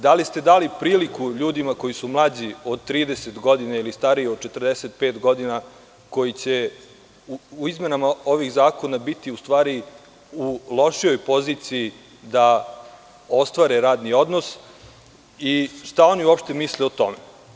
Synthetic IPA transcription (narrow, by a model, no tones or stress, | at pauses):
d̪alist̪e̞d̪aːlipɾiːlikuʎuːd̪imako̞jisumlˠaːd͡ʑio̞d̪̚t̪ːɾiːd̪eset̪ɡo̞d̪inailist̪aɾiiod̪̚t͡ʃet̪ər̩d̪eset̪̚peːt̪ɡo̞d̪ina | ko̞jit͡ɕe̞ | uuizme̞namao̞ʋixzaːko̞nabit̪iust̪ʋaːɾi | ulˠo̞ʃijo̞jpo̞ziːt̪siji | d̪a | o̞st̪ʋaːɾeɾaːd̪nio̞d̪nos | iʃt̪ao̞niuopʃt̪e̞misleot̪o̞̰me